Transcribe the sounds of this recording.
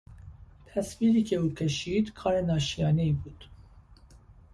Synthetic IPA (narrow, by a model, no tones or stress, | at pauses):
t̪ʰɛsfilikeukʰɛʃiːt̪kʰɑːɾɛnɑːʃijɑːnɛjbuːt̪